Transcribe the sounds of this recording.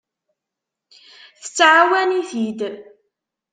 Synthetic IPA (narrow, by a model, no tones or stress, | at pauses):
θə̥t͡sːʕawæniθid̪